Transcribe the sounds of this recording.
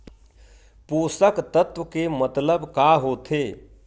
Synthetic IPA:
puːsəkt̪ət̪wəkemət̪ləbkaːɦoːt̪ʰeː

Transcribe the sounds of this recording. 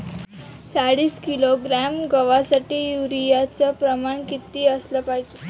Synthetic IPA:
t͡saɽiːskiloɡɾæmɡəʋasaʈiːjuɾijat͡səpɾəmaɳkit̪iːəsləpaɦd͡ʑe

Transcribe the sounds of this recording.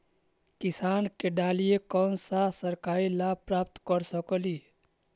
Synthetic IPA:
kɪsaːnkeɖaːlijekɔːnsasəɾkaːɾilapɾaːpt̪kəɾsəkəliː

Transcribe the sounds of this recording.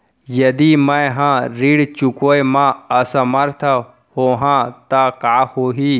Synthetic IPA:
jɐd̪imɐ̃jɦãːɾiːɽt͡ʃukoːemãːɐsɐməɾt̪ʰə | hoːɦãːt̪ɐkaːhoːɦiː

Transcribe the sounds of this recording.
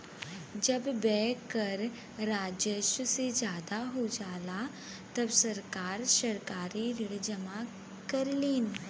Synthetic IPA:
d͡ʒɐbːɛːkəɾ | ɾaːd͡ʒjəʃəsed͡ʒjaːd̪aɦod͡ʒaːla | t̪ɐbsɐɾkaːɾʃɐɾkaːɾiɾɪɽd͡ʒɐma | kɐɾliːn

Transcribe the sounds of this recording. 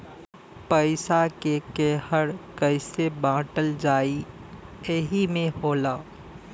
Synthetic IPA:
pəɪsakekɛːhəɽkəɪsebãːʈəld͡ʒaːi | eɦimẽhoːlaː

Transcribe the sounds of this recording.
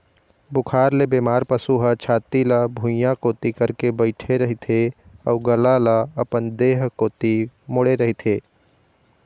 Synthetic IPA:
bʊkʰaːɾlebeːmaːɾpəsuɦət͡ʃʰaːt̪ilabʱʊ̃jakoːt̪ikəɾkebəɪʈʰeɾɐɦit̪ʰe | ɔːɡəlalaɐpənd̪eːɦkoːt̪imoɽeɾɐɦit̪ʰeː

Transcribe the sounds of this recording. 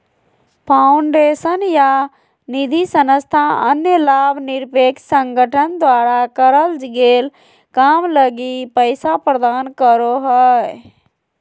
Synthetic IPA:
pʰaːʊɳɖeːsənja | nɪd̪ʱisənəst̪ʰaənjəlaːbʱnɪɾpeːksə̃ŋɡʱəʈʰənd̪waːɾakəɾəld͡ʒɪɡeːl | kaːmləɡipəɪsapɾəd̪aːnkəɾoɦɛ

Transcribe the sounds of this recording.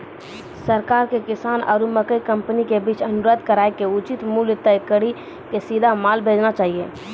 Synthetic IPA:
səɾkaːɾkekɪsaːna̰ːɾuməkəikəmpənikebiːt͡ʃʰənʊɾəd̪ʱkəɾaekeut͡ʃit̪muljt̪əjkəɽi | kesid̪ʱamalbʱeːd͡ʒnat͡ʃaːɦije

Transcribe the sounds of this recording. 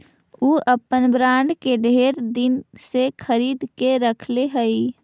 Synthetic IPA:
uːʔəpənbɾãːɳɖkeɖʱeːɾd̪ɪnsekʰəɾiːd̪keɾəkʰleɦəi

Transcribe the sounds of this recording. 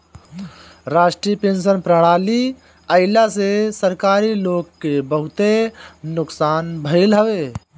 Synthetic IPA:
ɾaːʃʈɾipẽːnʃənpɾəɽ̃aːli | əɪlasesəɾkaːɾiloːɡkebəɦʊt̪enʊksaːnbʱəɪlɦəʋeː

